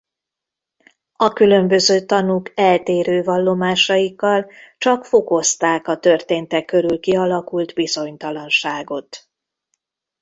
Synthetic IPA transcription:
ɒkylø̞mbø̞zøːt̪ɒnukɛlt̪eːɾøːvɒlːo̞maːʃɒjikːɒlt͡ʃɒkfo̞ko̞st̪aːkɒt̪ørt̪eːnt̪ɛkːø̞ɾylkiɒlɒkult̪bizo̞ɲt̪ɒlɒnʃaːɡo̞t̪

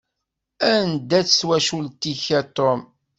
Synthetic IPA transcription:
ænd̪æt͡sːswæʃult̪içæt̪ːom

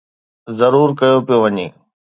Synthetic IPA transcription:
zɐɾuːɾkɐjopijoʋɐɲḛː

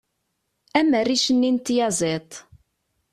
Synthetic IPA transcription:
æmərːiʃənːint̪jɑzˤet̪ˤ

